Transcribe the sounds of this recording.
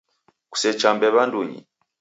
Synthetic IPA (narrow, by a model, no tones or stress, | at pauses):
ku̥sɛt͡ʃambɛβanduɲḭ